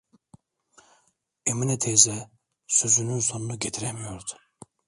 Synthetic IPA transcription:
eminɛt̪ʰezɛ | søzynynso̞nunuɟet̪ʰiɾemijo̞ɾd̪u̥

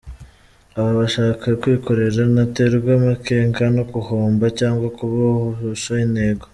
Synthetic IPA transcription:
aβaβaʃaːkakwiːko̞ɾe̞ɾanateɾubɡwamakeːŋkanokuhoːmbacaːŋɡwakuβahooʃoine̞ːɡo

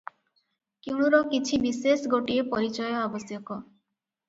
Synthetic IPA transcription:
kiwɽ̃uɾɔkit͡ʃʰibisesɡoʈiepɔɾit͡ʃɔjɔabɔsjɔkɔ

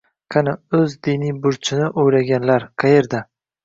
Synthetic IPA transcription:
kʲʰanaɵzd̪ɪnijbʊɾt͡ʃʰɪnɪʔojɾaɡʲanlaɾqʰɑjeɾd̪a

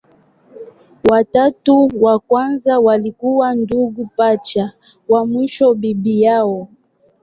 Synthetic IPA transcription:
watatuwakwanzawalikuwanduɡupat͡ʃa | wamwiʃɔbibijaɔ

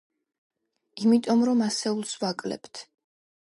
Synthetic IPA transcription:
imit̪ʼɔmɾɔmasɛulˠsvakʼlɛ̰pt̪ʰ

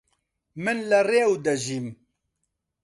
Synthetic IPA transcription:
mɨnlɨreːwd̪ɐʒiːm

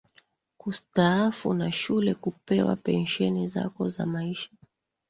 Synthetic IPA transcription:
kustaafunaʃulɛkupɛwa̰pɛnʃɛniza̰kɔza̰maiʃḁ

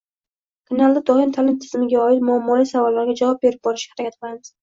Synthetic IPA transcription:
kʰanalˠd̪ad̪ɒɪmt̪ʰalɪmt̪ʰɪ̥z̥mɪɡʲaɒɪt̪mʊamːɒlijsavɒlːaɾɡʲad͡ʒavɒp̚be̞ɾɪp̚bɒɾɪʃhaɾakʰʲat̪̚bɪlanɪz̥

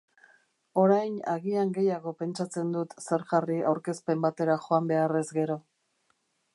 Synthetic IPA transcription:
o̞ɾajnaɣiaŋɡe̞jaɣ̞o̞pe̞nt͡ʃat͡se̞nd̪ut̪se̞ɾʝaria̰wɾke̞spe̞mbat̪e̞ɾaxo̞ambe̞are̞zɡe̞ɾo̞

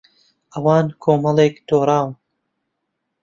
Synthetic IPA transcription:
ʔɐwɑːnkʰoːmɐlˠeːkd̪oːɾaːw

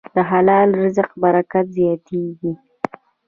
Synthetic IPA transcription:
d̪əɦalɑlɾəzaqbaɾakat̪zjɑt̪ʰeɡi

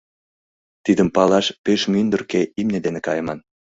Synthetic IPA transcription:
t̪id̪əmpɑlɑʃpeʃmynd̪ərkeimned̪enekɑjəmɑn

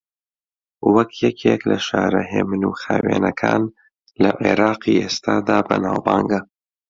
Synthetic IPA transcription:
wɐkʰjɛkʰeːklɐʃaːɾɐɦeːmɨnuxaːweːnɐkʰaːn | lɐʔeɾɑːqiʔeːst̪aːd̪aːbɐnaːwbaːŋɡɐ

